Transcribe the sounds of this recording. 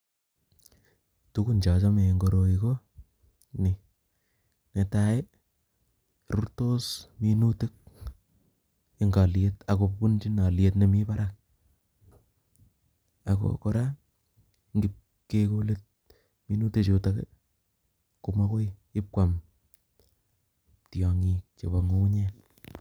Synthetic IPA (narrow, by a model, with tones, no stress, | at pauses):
tuku˦nd͡ʒa˨t͡ʃɔ˦me˨ŋɡo˨ɾo˨iko | ni˨ | ne˨tae˦ | ɾu˦rto˦sminuti˦k̚ | eŋɡa˨ljeta˨ko˨pu˦nt͡ʃi˦na˨ljetne˨mi˦pa˦ɾak̚ | ako̰ko˦ɾa | ŋɡip̚ | kekole˦t̚ | mi˦nu˦tet͡ʃu˨takḛ | kumo˦ko˦ji˦p̚kʷwa˨m | tjɔ˨ŋik̚t͡ʃe˨bo˨ŋo˦u˦ɲen